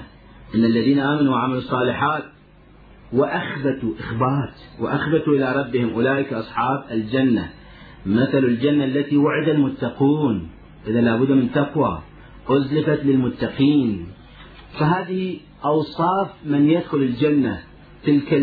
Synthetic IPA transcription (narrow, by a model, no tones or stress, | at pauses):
ʔɪnːalːaðiːnaʔaːmanuwʕamalusˤːɑːlɪħaːt̪ | waʔaxbat̪uʔɪxbaːt̪wa̰ʔaxbat̪uʔɪlaɾˤɑbːɪhɪmʔʊlaːʔɪkʔɑsˤħɑːbald͡ʒanːa̰ | maθalald͡ʒanːaʔlːat̪iwaʕɪd̪almʊt̪ːɑquːn | ʔɪðalaːbʊd̪ːmɪnt̪aqwa̰ | ʔʊzlɪfat̪lɪlmʊt̪ːɑqiːn | faɦaːðɪhi | ʔɑwsˤɑːfmɪnjad̪xʊlɪld͡ʒanːa | t̪ɪlka